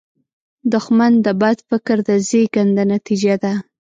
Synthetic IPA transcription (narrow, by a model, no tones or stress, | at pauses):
d̪ʊxmand̪əbad̪fɪkɾd̪əzeɡand̪anat̪id͡ʒad̪a